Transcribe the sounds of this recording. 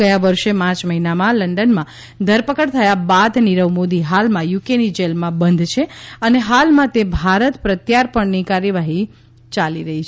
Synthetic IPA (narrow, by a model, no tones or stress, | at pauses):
əjãʋəɾʃepãt͡ʃməɦinamãləɳɖənmã | d̪ʱəɾpəkəɽt̪ʰəjabad̪niɾəʋmod̪iɦalmãjukenid͡ʒelmãbənd̪ʱt͡ʃʰeəneɦalmãt̪ebʱaɾət̪pɾət̪jaɾpəɳnikaɾjəʋaɦi | t͡ʃaliɾəɦi